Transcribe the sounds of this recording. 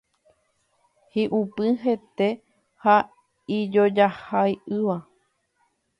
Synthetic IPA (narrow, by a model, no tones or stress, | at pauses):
hiʔupɨɦe̞t̪e̞ | ha | id͡ʒo̞d͡ʒahajɨʋa